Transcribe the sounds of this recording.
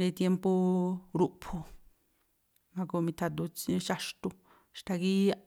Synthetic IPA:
ɾi˧t̪je˧mpo˧ɾu˧pʰo˧ | mã˧ko˧mĩ˧t̪ʰa˧t̪̬u˧t͡siʃa˧ʂt̪u˧ | ʃt̪a˧ki˦a˧

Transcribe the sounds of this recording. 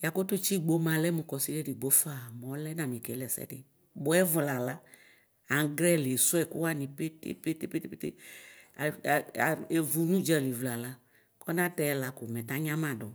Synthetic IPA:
ja˨ko˦tʊ˦t͡ʃi˦˨ɡ͡bo˦mã˨lɛ˦mũ˨kɔ˨si˦de˦dɪ˨ɡ͡bo˦fa˦˨m˨ɔ˨˦lɛ˦nã˨mĩ˨kɛ˨˦lɛ˨sɛ̰˦dɪ̰˨ | bʊ˦ɛ˦vla˨la˦ | a˨˦ɡɾɛ˦˨lsʊ˦ɛ˨kʊ˦wa˦˨nĩ˨pe˦tḛ˦pe˦te˦pe˦te˦pe˦tḛ˦˨ | e˨vu˨nũ˦d͡ʒɛ˨li˨vla˨la˦ | kɔ˦nã˦tɛ˦ɛ˨la˨kʊ˨mɛ̃˨ta˨˦ɲã˦mã˨dɔ˨

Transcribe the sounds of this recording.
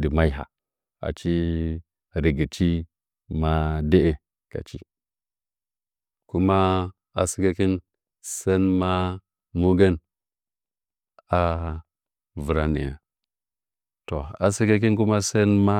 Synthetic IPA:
di˨ma˦i˦ɦa̰˨ | a̰˨t͡ʃi˦ | ɾi˨ɡi˨t͡ʃi˦ | ma˦de˦ʔe˦ | ka̰˨t͡ʃi˦ | ku˦ma˦ | a̰˨si˦ke˦ki˦n | se˦nma˦ | mu˦ɡe˦n | a˨˦ | vu˨ɾa˨nḭ˨ja̰˨ | to˨a̰˨si˦ka˦k̬i˦nku˦ma˦se˦nma˦

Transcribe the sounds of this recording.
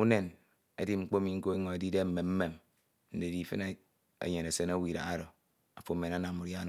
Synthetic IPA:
u˦ne˨n | ḛ˦di˦ŋ͡m̩˦k͡po˦mi˨ŋ̩˦ko˦e˦ŋo˨e˨˦di˦de˦m̩˨me˨mm̩˦me˨m | n̩˦de˨di˦fɨ˦ne˦ | ḛ˨ɲe˨ne˨se˦na˦wi˨ɾa̰˨ɣa˦ɾo˨ | a˨fo˨˦me˨na˦na˨u˨dja˦n˨

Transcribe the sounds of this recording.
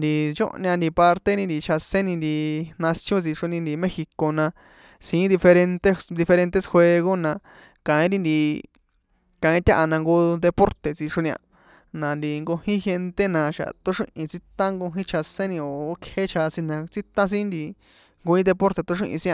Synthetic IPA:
nd̪i˧t͡ʃo̰˦ʔnjã˧nd̪i˧pa˧ɾt̪e˦ɾĩ˧nd̪i˧t͡ʃʰa˧sẽ˦nĩ˧nd̪i˧nã˧sjõ˦t͡si˧ʂo˧nĩ˧nd̪i˧mẽ˦xi˧ko˧nã˧ | sĩ˨˦d̪i˧fe˧ɾe˧nt̪e˦d̪i˧fe˧ɾẽ˧nt̪e˦sxwe˧ɣo˦nã˧ | kã˨ĩ˦ɾĩ˦nd̪i˧ | kã˨ĩ˦t̪ʲa˦ʔa˧nã˧ŋɡo˧d̪e˧po˦ɾt̪e˨t͡si˧ʂo˧nĩ˧ã̰˧ | nã˨nd̪i˧ŋɡo˧hĩ˦xe˧nt̪e˦nã˧ʃa̰˨t̪o˦ʂḭ̃˦ʔĩ˧t͡si˦t̪ã˦ŋɡo˧ɦĩ˦t͡ʃʰa˧sẽ˦nĩ˧o˨o˦kʰe˦t͡ʃʰa˧sĩ˧nã˧t͡si˦t̪ã˦s̬ĩ˦nd̪i˧ | ŋɡo˧ĩ˦d̪e˧po˦ɾt̪e˧t̪o˦ʂḭ̃˦ʔĩ˧sĩ˦ã˧

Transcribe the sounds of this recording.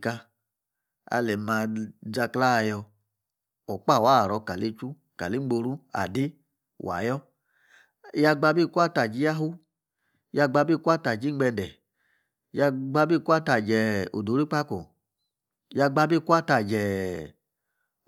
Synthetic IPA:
ka˧ | a̰˧lɛ˨ma˧d͡ʒa˧kla˦˧jɔ˧ | ɔ˨k͡pa˦˨wa˦˨ɾɔ˧ka˨le˧t͡ʃu˦ | ka̰˨li˦ɡ͡bo˧ɾu˦a̰˨di˦ | wʔa̰˨˦jɔ˦ | ja˧ɡ͡ba˧bi˦˨ku˦a˦˨ta˨d͡ʒi˧˦ja˦ɦu˦ | ja˧ɡ͡ba˧bi˦˨ku˦a˦ta˨d͡ʒi˦ɡ͡bɛ˧ndɛ˨ | ja˧ɡ͡ba˧bi˦˨ku˦a˦ta˨d͡ʒɛ˨o̰˨do˨˦ɾi˦k͡pa˦ko˨ | ja˧ɡ͡ba˧bi˦˨ku˦a˦ta˨d͡ʒɛ˨

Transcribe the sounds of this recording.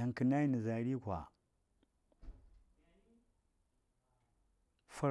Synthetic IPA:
i˨ŋ˨ki˨na˦i˦ni˨za˨ɾi˦kʷa̰˨ | fu˦

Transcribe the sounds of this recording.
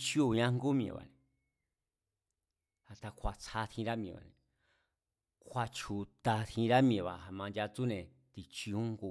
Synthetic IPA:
t͡ʃi˦u˦˧ɲã˧˦ŋ˦ɡo˦mĩ˧ḛ̃˨βa̰˨nẽ˨ | a˨t̪a˧kʰʷa˨t͡sʰa˧t̪ʰĩ˧ɾa˦mĩ˧˨βa̰˨nẽ˨ | kʰʷa˧t͡ʃʰu˧t̪a˧t̪hĩ˧ɾa˦mĩ˧˨βa˨a˧mã˧ndʲa˧t͡su˦nẽ˨ | t̪i˧t͡ʃi˧u˦ŋɡu˧

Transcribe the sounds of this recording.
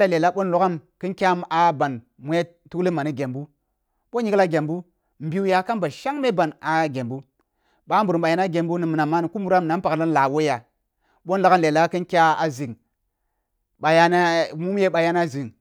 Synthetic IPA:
la˦le˨la˦ɓo˦nlo˦ka˦mkɨ˦nkʲa˦ma˨ba˨n | mu˨˦je˦ | tu˦kli˦ma˨ni˦ɡʲe˨mbu˦ | ɓo˦ɲi˦kla˦ɡʲe˨mbu˦ | m̩˨bi˦u˦ja˨ka˦nba˨ʃa˦ŋme˦ba˨na˨ɡe˨mbu˦ | ɓa˨˦mbu˨ɾɓa˨ja˨˦na˦ɡʲe˨mbu˦ni˨mɨ˨na˨ma˦ni˨ku˦mu˦ɾa˦m˨na˨˦npa˨kla˦n˨la˨wo˦ja˨ | ɓo˦n˦la˨ka˦nle˨la˦kɨ˦nkʲa˦a˨zi˨ŋ | ɓa˨ja˦na˦mu˦m˦je˦ɓa˨ja˦n˦a˦zi˨ŋ

